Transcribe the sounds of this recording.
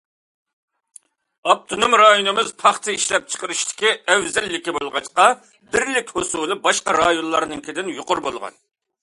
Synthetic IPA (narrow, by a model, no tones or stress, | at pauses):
ɑp̚t̪ʰonumɾɑjonɨmɨzpʰɑχt̪ʰɨiʃlɛp̚t͡ʃʰə̥qəɾɨʃt̪ʰɪ̥kʲiɛwzɛlːɪkʲibolˠʁɑt͡ʃqɑ | bɪɾlɪkʲhosulˠɨbɑʃqɑɾɑjonlˠɑɾnɨŋkʲʰɪd̪ɪnjoqʊɾbolˠʁɑ̰n